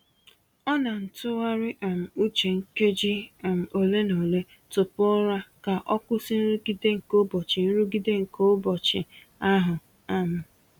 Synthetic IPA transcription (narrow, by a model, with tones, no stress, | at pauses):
ɔ˦na˨n̩˨tʊ˦wa˦ɾɪ˦ʔa˨m̩˨u˦t͡ʃe˨ŋ̩˦ke˦d͡ʒi˦˨m̩˨o˨le˦no˨le˦ | tʊ˨pʊ˦ɾa˦ka˨ʔɔ˦kʊ˦sɪ˦n̩˦ɾu˦ɡi˦de˦ŋ̩˨ko˦bɔ˨t͡ʃɪ˨n̩˦ɾu˦ɡi˦de˦ŋ̩˨ko˦bɔ˨t͡ʃɪ̰˨ | a˦ɦʊ˨ | a˨m̩˨